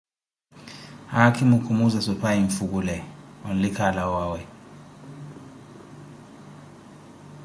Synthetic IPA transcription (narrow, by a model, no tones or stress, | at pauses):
akʰimukʰumuzasɔpʰaiɱfuk̬ulɛon̩likʰalawaːwɛ